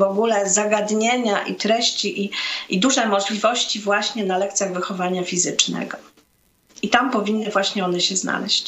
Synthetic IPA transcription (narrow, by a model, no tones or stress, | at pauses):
vɔɡulɛzaɡad̪ɲeɲaʔḭt̪ɾɛɕt͡ɕiʔiid̪uʐɛmɔʐlʲivɔɕt͡ɕivwaɕɲɛnalɛkt̪sʲjaɣvɘxɔvaɲafʲizɘt͡ʂnɛ̰ɡɔ | it̪ampɔvʲinːɘvwaɕɲɛɔnɛɕɛzna̰lɛɕt͡ɕ